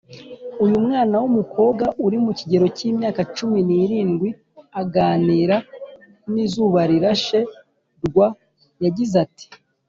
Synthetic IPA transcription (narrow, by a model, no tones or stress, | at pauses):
ujumŋaːnawumukʰo̞ːbɡaʔuɾimuciɟe̞ɾo̞ciːmɲaːkat͡ʃuminiɾiːnɡwi | aɡaːniːɾa | nizuːβaɾiɾaʃe̞ | ɾɡwa | jaɟizati̥